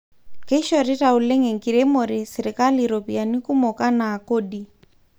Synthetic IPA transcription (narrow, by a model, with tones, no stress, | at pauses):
kɛ˦ʃɔ˨ɾɛ˦tau˨lɛ˦ŋɛ˨ŋkiɾɛ˦mɔ˨ɾɛ˨sɛ˨ɾɛka˦liɾopia˨ni˦ku˦mɔ˨ka˦naː˨ko˦di˨